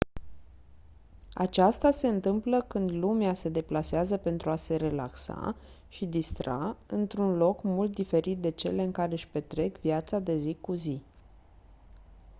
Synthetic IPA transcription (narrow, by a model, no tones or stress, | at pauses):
a̰t͡ʃast̪ase̞ɨnt̪ɨmpləkɨnd̪lumease̞d̪e̞plaseazəpe̞nt̪ɾuase̞ɾe̞la̰ksa̰ | ʃid̪ist̪ɾa̰ɨnt̪ɾunlo̞kmult̪̚d̪ife̞ɾit̪̚d̪e̞t͡ʃe̞̰le̞ɨŋkaɾeɨʃpe̞t̪ɾe̞kvjat̪sad̪e̞zikuzi